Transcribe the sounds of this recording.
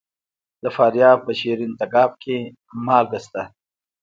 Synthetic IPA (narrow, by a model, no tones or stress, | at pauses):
d̪əfɑːɾjɑːb̚pəʃeɾint̪aɡɑːb̚kʰe | mɑːlɡəst̪a